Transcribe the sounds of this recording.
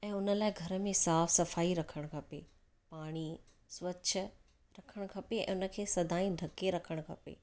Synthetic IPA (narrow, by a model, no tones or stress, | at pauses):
ɛ̃ːʊnə̆laːɪɡʱɐɾə̆mẽsaːfsɐfaːiɾɐkʰəɽ̃kʰɐpḛ | paːɽ̃i | sʋɐʃʰ | ɾɐkʰəɽ̃kʰɐpeɛ̰̃ːʊnə̆kʰeːsɐd̪ʱaːĩd̪ʱɐkeɾɐkʰəɽ̃kʰɐpḛː